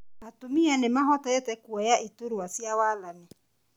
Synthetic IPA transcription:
atʊmijanɪmaɦɔtɔɛtɛkuɔjaʔitoɾuwasiawalanɪ

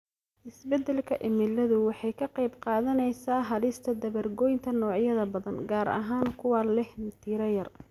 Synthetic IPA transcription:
ʔɪsbɛd̪ɛlkʰɐʔɪmɪlːɐðʊwɑħɑjkʰɐqɑjbqɑːðɐnɛjsaːɦɐlɪst̪ʰɐd̪ɐβɐrɡɔːjnt̪ʰɐnɔːʕjɐðɐbɐðɐnɡaːɾɐ̰ɦaːnkʰʊwaːlɛhnt̪ʰiːɾɐjɐr

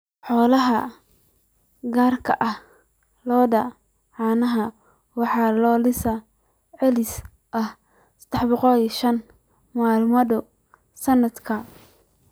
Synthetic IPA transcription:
ħɔːlɐɦɐ | ɡaːrkʰɐʔɐh | lɔːdɐ | ʕɑːnɐɦɐ | wɑħɑːlɔːlɪsɐ | ʕɛlɪs | ʔɐh | sɐ̥d̪̥ɛħbɔqɔliʃɐn | maːlmɐðʊ | sɐnːɐd̪kʰɐ

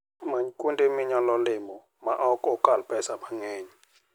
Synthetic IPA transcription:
maɲkʼundʼimiɲalɔlɪmɔ | ma̰ʔakʼɔkʼalpʼɛsamaŋeːɲi

